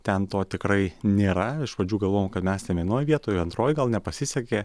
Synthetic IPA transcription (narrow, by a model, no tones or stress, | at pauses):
t̪ʲɛnt̪oːt̪ʲɪkɾɐɪnʲeːɾɐɪʃʋɐd͡ʒʲuːɡɐlˠʋoːjmkɐt̪mʲɛst̪ʲɛnʋʲiɛnoːjʋʲiɛt̪oːjɛɐnt̪ɾoːjɡɐlˠnʲɛpɐsʲɪsʲɛkʲeː